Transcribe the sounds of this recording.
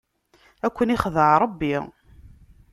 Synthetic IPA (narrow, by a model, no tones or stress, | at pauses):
ækʷːəniχðəʕɾˤəbːi